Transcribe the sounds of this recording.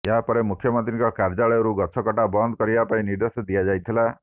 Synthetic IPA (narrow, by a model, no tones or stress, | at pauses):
jaɦapɔɾemukʰjɔmɔnt̪ɾiŋkɔkaɾd͡ʒaɭɔjɔɾuɡɔt͡ʃʰɔkɔʈabɔnd̪ɔkɔɾibapaĩniɾd̪esɔd̪iad͡ʒajt̪ʰila